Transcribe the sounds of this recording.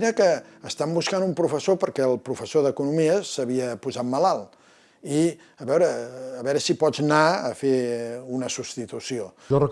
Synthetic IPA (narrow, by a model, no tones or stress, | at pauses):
ɾəkəːst̪ambuskanumpɾufəsopəɾkɛəlˠpɾufəsoðəkunumiəsəβ̞iəpuzat̪məlalˠ | i | əβɛwɾəːβɛɾəsipɔd͡znaə̰feunəsust̪it̪usio | ʒɔrə